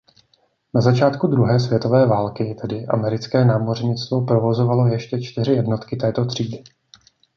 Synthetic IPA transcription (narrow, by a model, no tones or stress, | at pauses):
nazat͡ʃaːt̪kud̪ɾuɦɛːs̬vjɛt̪o̞vɛːvaːlkɪt̪ɛdɪʔa̰mɛɾɪt͡skɛːnaːmo̞rɲɪt͡st̪vo̞pɾo̞vo̞zovalo̞jɛʃcɛt͡ʃt̪ɪrɪjɛdno̞t̪kɪt̪ɛːt̪o̞t̪r̝̥iːdɪ